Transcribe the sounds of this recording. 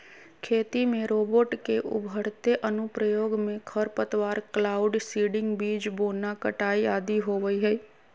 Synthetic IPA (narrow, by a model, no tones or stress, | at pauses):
kʰeːt̪imẽɾoːboːʈkeʔʊ̰bʱəɽt̪eʔənʊpɾəjoːɡmẽkʰəɾpət̪ʋaːɾklaːʊɖsiːɖɪ̃ŋɡbiːd͡ʒboːnakəʈaːiaːd̪iɦoːʋəiɦəiː